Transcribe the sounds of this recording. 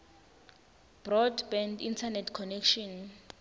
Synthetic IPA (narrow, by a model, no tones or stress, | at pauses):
b̥rɔdbɛndintʰanɛtʰkʰɔnɛkʰʃɔn